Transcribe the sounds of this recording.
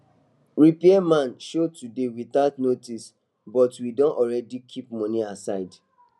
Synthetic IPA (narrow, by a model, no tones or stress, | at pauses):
ɹipiɛmãnʃotudewiθatnotis | bɔtwidɔ̃nɔɹɛdikʰip̚mɔ̃niasaɪd